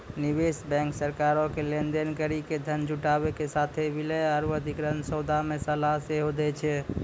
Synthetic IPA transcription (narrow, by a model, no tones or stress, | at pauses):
nibesbɛ̃ŋksəɾkaɾokelend̪enkəɾiked̪ʱənd͡ʒuʈabekesat̪ʰebilɛaɾuəd̪ʱikɾənsəwd̪ʱamesəlaseɦod̪ɛt͡ʃʰɛ